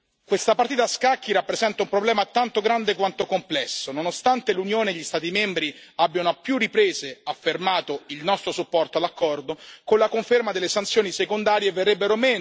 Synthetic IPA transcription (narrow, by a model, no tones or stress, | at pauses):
kwest̪apart̪iːt̪askakːiɾapːɾezɛnt̪aumpɾoblɛːmat̪ant̪oɡɾand̪ekwant̪okomplɛsːononost̪ant̪elunjoːneːʎːist̪aːt̪̬imembɾiabːjanoapːjurːipɾeːzeafːermaːt̪oilnɔst̪ɾosupːɔrt̪oalakːɔrd̪okonlakoɱfermad̪elːesant̪sjoːnisekond̪aːɾjeverːebːeɾomɛː